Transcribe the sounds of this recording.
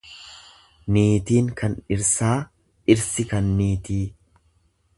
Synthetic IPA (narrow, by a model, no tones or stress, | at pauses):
niːt̪iːŋkɐnɪɾsaː | ʔɪɾsɪkɐnːiːt̪iː